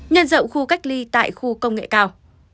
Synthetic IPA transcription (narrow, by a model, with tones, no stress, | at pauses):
ɲə˧nzə̰˧˨wŋ͡mxu˧ka˦˥jk̟̚li˧t̪a̰ː˧˨jxu˧kə˧wŋ͡mŋḛ˧˨kaː˧w